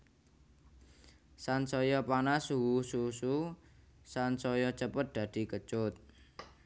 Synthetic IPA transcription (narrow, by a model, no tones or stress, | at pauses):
sansɔjɔpanasuwususu | sansɔjɔt͡ʃəpət̪̚d̪̥ä̤d̪̥i̤kət͡ʃʊt̪̚